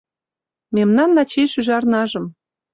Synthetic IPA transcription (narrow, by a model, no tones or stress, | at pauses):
memnɑnːɑt͡ɕeʃyʒɑrnɑʒɤ̆m